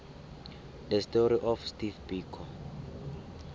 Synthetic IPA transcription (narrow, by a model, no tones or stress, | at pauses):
dəstɔɾiʔɔfstifbiːkʰɔ